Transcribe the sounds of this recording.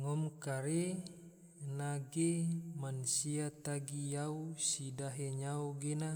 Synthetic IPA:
ŋɔmkaɾe | naɡemansiat̪aɡijausidaɦeɲaoɡena

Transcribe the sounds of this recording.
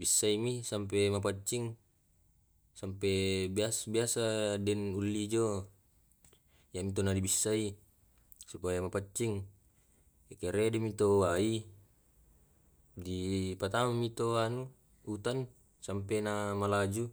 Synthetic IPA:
bisːaimisampemap̬at͡ʃːiŋ | sampebiasbiasadɛnulːid͡ʒo | jamit̪̬onadibisːai | supajamapat͡ʃːiŋ | ekeɾedimit̪owai | dipat̪amamit̪oanu | ut̪an | sampenamalad͡ʒu

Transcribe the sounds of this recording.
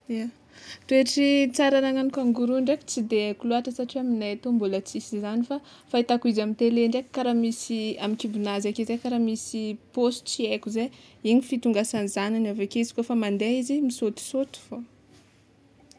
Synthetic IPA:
ia | t̪ueʈ͡ʂit͡saɾanaŋanikaŋɡuɾuɳɖ͡ʐeki̥t͡sid̪eekuloaʈ͡ʂəsaʈ͡ʂiwaminajat̪ombulat͡sisizanifa | fait̪akuizamint̪eleɳɖ͡ʐekkːaɾamisiamikibinazakezekaɾamisipost͡siekuze | iɲifit̪uŋɡasanizananavakeizi̥kofamand̪eizimisot̪u̥sot̪u̥fo

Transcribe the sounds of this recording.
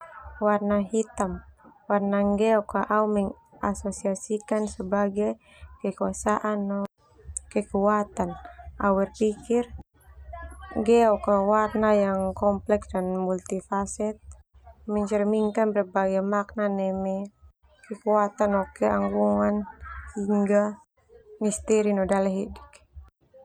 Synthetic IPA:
warnaɦit̪amwarnaŋɡɛɔkaʔaumɛŋ | ʔasɔsiasikansəbaɡaj | kɛkuasaʔanːɔ | kɛkuat̪anawɛrpikir | ŋɡɛɔkawarnajaŋkɔmplɛksdanmult̪ifasɛt̪̚ | mɛɲt͡ʃərmiŋkanbərbaɡajmaknanɛmɛ | kəkuat̪anɔkɛaŋɡuŋanhiŋɡa | mist̪ɛɾinɔdalɛɦidi̥k

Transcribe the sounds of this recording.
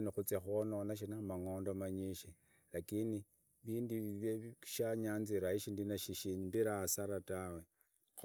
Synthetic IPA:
nixut͡sexononaʃ̬inaumaŋoːndomaɲiʃe | lakini | βiːndiββeʃaɲaːnziɾaiʃindinaʃiʃiɲimbiɾasaɾatawe

